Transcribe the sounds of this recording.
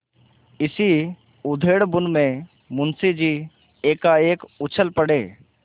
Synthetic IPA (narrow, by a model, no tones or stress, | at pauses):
ɪsi | ʊd̪ʱeːɽbʊnmẽ | mʊnsid͡ʒiː | eːkaeːkʊt͡ʃʰəlpəɽeː